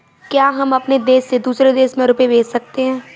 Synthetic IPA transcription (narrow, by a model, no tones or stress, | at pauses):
kjaːɦɐmɐpned̪eːsːed̪uːsɾed̪eːʃmẽɾʊpeʋeːt͡ʃsɐk̚t̪eɦɛ̃ː